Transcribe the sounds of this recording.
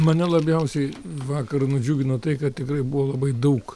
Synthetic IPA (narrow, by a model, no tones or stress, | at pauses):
mɐnʲɛlˠɐbʲjɛʊsʲɛɪʋɑːkɐrnʊd͡ʒʲuːɡʲɪnoːt̪ɐɪkɐt̪̚t̪ʲɪkɾɐɪbuʋoːlˠɐbɐɪd̪ɐʊk